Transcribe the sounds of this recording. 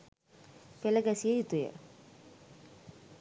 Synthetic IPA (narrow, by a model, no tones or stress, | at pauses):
peləɡæsijəjut̪ujə̰